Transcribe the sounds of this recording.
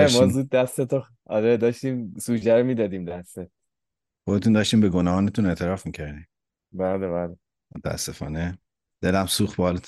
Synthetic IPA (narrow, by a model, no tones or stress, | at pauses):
emɒzuːd̪̚ːæst̪et̪o | ɒ̰ɾed̪ɒːʃt̪iːmsuːd͡ʒæɾomiːd̪ɒːd̪iːmd̪æst̪et̪̚ | χod̪et̪ʰund̪ɒːʃt̪iːmbeɡonɒːhɒːnet̪ʰuneʔt̪ʰeɾɒːfmiːcʰæɾd̪iːm | bælebæːle | mot̪ʰææ̰sːefɒ̰ːne | d̪̥elæmsuːxt̪̚bːl